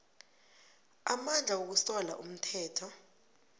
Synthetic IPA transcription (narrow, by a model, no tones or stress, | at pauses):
amand͡ɮʱaok̬usɔlaʔum̩tʰɛːtʰɔ